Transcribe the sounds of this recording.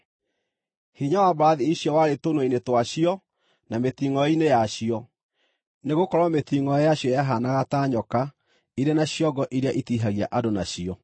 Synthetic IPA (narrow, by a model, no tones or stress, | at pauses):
hiɲawabaɾaðiiɕjɔwaɾetonwainetwaɕiɔ | nameθiŋɔɔinejaɕiɔ | neɣokɔɾwameθiŋɔɔjaɕjɔjaɦanaɣataːɲɔka | iɾenaɕjɔɡɔʔiɾeaʔitiɦaɣia̰ʔadonaɕiɔ